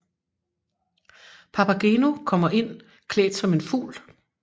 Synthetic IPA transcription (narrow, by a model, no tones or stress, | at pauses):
pʰɑpæɡ̥e̝ːnukʰɒ̽m̰ɐʔe̝n̰ | kʰlḛːd̥sɒ̽me̝nfṵːl